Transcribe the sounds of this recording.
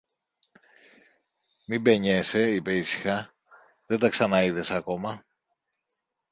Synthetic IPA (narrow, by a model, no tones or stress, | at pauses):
mibe̞ɲe̞se̞ipe̞isi̥xɐ | ðet̪ɐksɐnɐiðe̞sɐko̞mɐ